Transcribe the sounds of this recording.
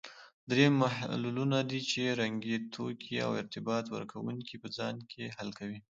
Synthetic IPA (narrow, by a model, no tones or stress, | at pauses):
d̪ɾemahlulunad̪it͡ʃeɾaŋɡit̪ʰokʰia̰wɪ̰ɾt̪ɪbɑt̪wə̰ɾkʰawuŋkipəd͡zɑnkʰehalkawi